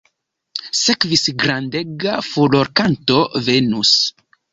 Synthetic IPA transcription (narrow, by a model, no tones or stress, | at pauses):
sekvisɡɾandeɡafoloɾkanto̞ve̞nus